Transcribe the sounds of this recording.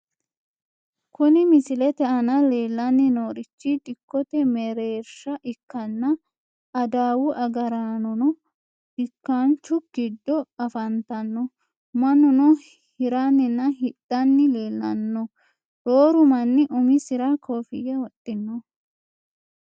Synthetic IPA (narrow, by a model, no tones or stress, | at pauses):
kʰʊnɪmɪsɪlɛt̪ɛʔɐnɐle̞ːlːɐnːɪnoːɾɪt͡ʃːɪd̪ɪkːɔt̪ɛmɛɾe̞ːɾʃɐʔɪkːɐnːɐ | ɐd̪aːwʊʔɐɡɐɾaːnɔnɔ | d̥ɪkːant͡ʃːʊɡ̥ɪd̪ːɔɐfɐnt̪ɐnːɔ | mɐnʊnɔ | hɪɾanːɪnːɐɦɪd̪̥ːɐnːɪle̞ːlːɐ̰nːɔ | ɾoːɾʊmɐnːɪʔʊmɪsɪɾakʰoːfɪɡɛwɔt̪ʼːɪnːɔ